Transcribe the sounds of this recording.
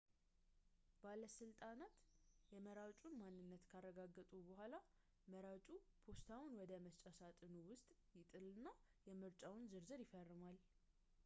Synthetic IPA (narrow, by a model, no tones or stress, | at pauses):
b̥aləsɨlt̪ʼanat̪jɛməɾawt͡ʃʼunmanːɨnːət̪kʰarːəɡaɡːət̪ʼubəhʷala | məɾawt͡ʃʼupʰo̞st̪ʰawnwɔd̪əməst͡ʃʼasat̪ʼɨnuwʊst̪ʼjɪt̪ʼɨlɨnːajɛmɨɾt͡ʃʼawnzɨɾzɨɾjɪfərːɨmal